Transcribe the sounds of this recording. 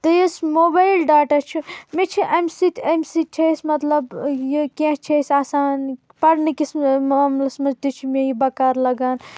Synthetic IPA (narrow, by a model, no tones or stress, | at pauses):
t̪ɐjesmobajlɖaːʈat͡ʃʰimet͡ʃʰiʔɐmsit̪ʰɐmʲsit̪̚t͡ʃʰɐjsmɐt̪lɐbjikẽɦt͡ʃʰejsʲaːsaːn | pɐɽnikismmlɐsmɐd͡ʒt̪it͡ʃʰimejibɐkaɾlɐɡan